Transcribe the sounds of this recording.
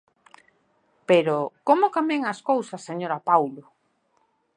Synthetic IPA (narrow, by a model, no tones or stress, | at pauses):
peɾokomʊkameŋɐskowsɐsːeɲoɾapawlʊ